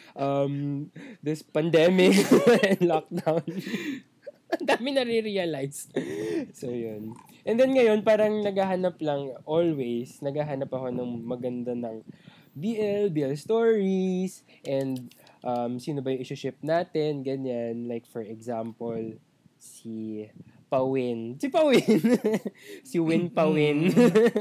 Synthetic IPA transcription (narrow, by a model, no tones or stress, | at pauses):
ʔɐmd̪ɪspɐnd̪ɛmɪkɛnlɔk̚d̪awn | ʔɐnd̪aːmɪnɐɾiɾiɐlajs | sojon | ʔɛnd̪ɛnŋɐjo̞npaːɾɐŋnɐɡaɦanɐplɐŋʔolwejsnɐɡaːɦanɐpɐɦo̞nɐŋmɐɡɐnd̪anɐŋ | biːʔɛlbiːɛlst̪oɹisʔɛnd̪̚ʔɐmsiːnobɐjʊŋʔɪʃʊʃɪp̚naːt̪ɛnɡɐɲanlajk̚fɔɹɛɡzampol | si | pɐwɪnsipɐwɪn | siwɪnpɐwɪn